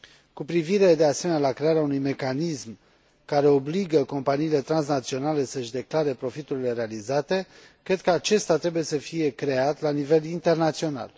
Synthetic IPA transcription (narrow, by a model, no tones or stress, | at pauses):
kupɾiviɾe̞d̪e̞ase̞menealakɾe̞aɾeaunujme̞kanism | kaɾe̞o̞bliɡəko̞mpaniːle̞t̪ɾans̬nat̪sio̞nale̞səʃd̪e̞klaɾe̞pɾo̞fit̪uɾile̞ɾe̞alizat̪e̞ | kɾe̞d̪̚kəat͡ʃe̞st̪at̪ɾe̞buje̞səfije̞kɾe̞at̪lanive̞lint̪e̞rnat̪sio̞na̰l